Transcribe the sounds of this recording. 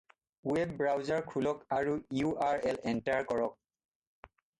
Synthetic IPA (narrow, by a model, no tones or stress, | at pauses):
wɛbːɹawzaɹkʰulɔkaɹuiuʔaɹɛlɛntaɹkɔɹɔk̚